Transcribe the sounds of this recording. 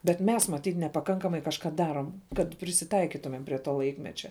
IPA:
bʲɛt ˈmʲɛs mɐˈtʲiːt nʲɛpɐˈkɐŋkɐmɐɪ kɐʃˈkɐ ˈdɑːroːm kɐt pʲrʲɪsʲɪˈtɐɪkʲɪtʊmʲɛm pʲrʲiɛ ˈtoː ˈlˠɐɪkmʲɛt͡ʃʲɛ

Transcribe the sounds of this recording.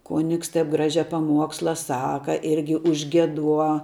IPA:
ˈkoːnʲɪks tɐɪp ˈɡrɑːʒʲɛ pɐˈmuɔkslˠɐ ˈsɑːkɐ ˈɪrʲɡʲɪ ʊʒʲɡʲiɛˈduɔ

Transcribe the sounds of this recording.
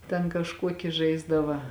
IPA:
tʲɛn kɐʃˈkuɔkʲɪ ˈʒɐɪzdɐʋɐ

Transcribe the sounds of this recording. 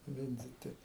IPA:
ˈʋʲɪnʲd͡zʲɪtʲɪ

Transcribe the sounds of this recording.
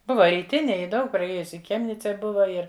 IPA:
ˈbʊʋɐ rʲiːˈtʲɪnʲeːj ˈjɪ ˈdɐʊk prɐˈeːjʊsʲɪ ɪ ˈxʲɛmʲnʲɪt͡sʲɛ ˈbʊʋɐ ˈɪr

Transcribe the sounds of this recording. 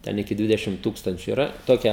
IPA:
ˈtʲɛn ɪkʲɪ ˈdʲʋʲɪdʲɛʃʲɪm ˈtuːkstɐnʲt͡ʃʲʊ ɪˈrɐ toːˈkʲɛ

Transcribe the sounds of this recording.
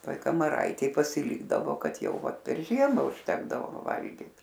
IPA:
ˈtoːj kɐmɐˈrɐɪtʲeːj pɐsʲɪˈlʲiːɡdɐʋoː ˈkɐt ˈjɛʊ ˈʋɐt pʲɛr ˈʒʲiɛmɑː ʊʃʲˈtʲæːɡdɐʋoː ˈʋɐ ˈʋɐlʲɡʲiːt

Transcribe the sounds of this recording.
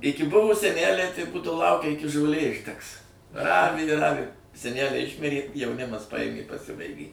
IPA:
ˈɪkʲɪ ˈbʊʋoː sʲɛˈnʲælʲɛɪ tɐɪ ˈbuːdɐʋoː ˈlˠɐʊkʲɛ ˈɪkʲɪ ʒoːˈlʲeː ɪʒʲˈdʲɛks ˈrɑːʋʲɪ ɪ ˈrɑːʋʲɪ sʲɛˈnʲælʲɛɪ ˈɪʃʲmʲɪrʲeː jɛʊˈnʲɪmɐs pɐˈjeːmʲeː ɪ pɐˈsʲɪbɐɪɡʲeː

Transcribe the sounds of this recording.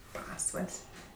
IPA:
ˈpɑːsʋɐlʲsʲ

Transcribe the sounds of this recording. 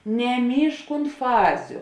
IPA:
nʲɛˈmʲiːʃk ʊnt ˈfɑːzʲʊ

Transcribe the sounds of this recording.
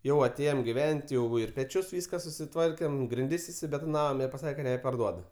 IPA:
ˈjɛʊ ɐˈtʲeːjoːm ɡʲɪˈʋʲɛnʲtʲ ˈjɛʊ ɪr pʲɛˈt͡ʃʲʊs ˈʋʲiːskɐ sʊsʲɪˈtʋɐrʲkʲeːm ɡrʲɪnʲˈdʲɪs ɪʃʲsʲɪbʲɛtoːˈnɑːʋoːm ɪr pɐˈsɑːkʲɛ kɐ nʲɛpɐrˈduɔdʊ

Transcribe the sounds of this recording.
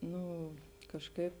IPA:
ˈnʊ kɐʃˈkɐɪp

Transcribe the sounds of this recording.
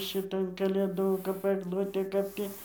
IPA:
ʃʲɪˈtɐn kɐlʲeːˈduː kɐp ɐɡˈlˠʊtʲeː ˈkɐp tʲiː

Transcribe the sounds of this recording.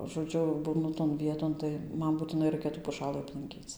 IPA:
ʒoːˈd͡ʒʲʊ ˈbuːnʊ toːn ˈʋʲiɛtoːn tɐɪ ˈmɐn buːtʲɪˈnɐɪ ˈrɐɪkʲɛ tuː pʊˈʃɑːlˠɨ ɐplˠɐŋʲˈkʲiːt͡s

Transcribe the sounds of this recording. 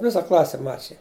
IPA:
ˈʋʲɪsɐ ˈklˠɑːsʲɛ ˈmɑːt͡ʃʲɪjɛ

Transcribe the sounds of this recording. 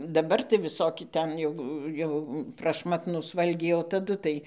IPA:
dɐˈbɐr tɐɪ ʋʲɪˈsoːkʲɪ ˈtʲɛn jɛʊ ˈjɛʊ prɐʃˈmɑːtnuːs ˈʋɐlʲɡʲɛɪ oː tɐˈdʊ tɐɪ

